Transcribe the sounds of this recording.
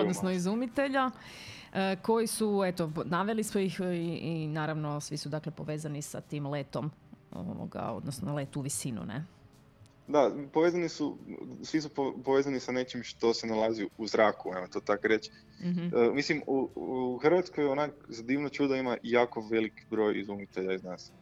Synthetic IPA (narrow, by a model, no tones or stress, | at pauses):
odnonoizumit̪e̞ʎa | əko̞jisue̞t̪onaʋe̞lismojixinaːɾaʋno̞sʋisud̪akle̞po̞ʋe̞ːzanisa̰t̪iːmleːt̪o̞mo̰ʋo̰ɡa̰o̞̰d̪nosnole̞t̪uʋisinṵnḛ | d̪apoʋezanisusʋis̬upopoʋeːzanisane̞t͡ʃimʃt̪o̞senalˠaziuuzɾaːkuemot̪oːt̪akoɾet͡ʃ | m̩əmislimuuxr̩ʋat̪skojonakzad̪iːʋnot͡ʃuːd̪aimajaːko̞ʋe̞likbɾo̞ːjizumit̪eʎaiznaːs